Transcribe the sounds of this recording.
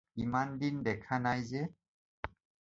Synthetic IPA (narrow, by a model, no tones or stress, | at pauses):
imandindɛkʰanajzɛ